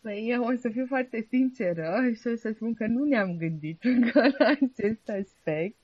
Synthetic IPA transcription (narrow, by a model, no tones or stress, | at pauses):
pəjeosəfifoart̪e̞sint͡ʃeɾəʃiosəspunkənuneamɡɨnd̪it̪ɨŋkəlaːt͡ʃe̞st̪aspe̞k̚t̪̚